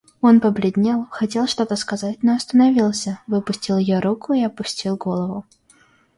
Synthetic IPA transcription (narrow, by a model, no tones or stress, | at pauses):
o̞npəblʲɪdʲnʲelˠxɐtʲe̞lˠʂt̪o̞t̪əskɐzatʲnoɐst̪ənɐvʲilˠsʲəvɨpʊsʲtʲilˠjɪjoɾukʊɪɐpʊsʲtʲilˠɡo̞lˠəvʊ